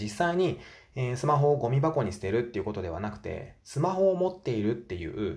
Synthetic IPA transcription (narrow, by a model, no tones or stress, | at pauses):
isːaiɲ̟i | esɨmaɦo̞ːɡo̞mʲibako̞ɲ̟isɨ̥t̪e̞ɾɯ̟t̪ːe̞iɯ̟ko̞t̪o̞d̪e̞βa̰nakɯ̟̥t̪e̞̰sɨmaɦo̞ːmo̞t̪ːe̞iɾɯ̟t̪ːe̞jɯ̟̰ːɯ̟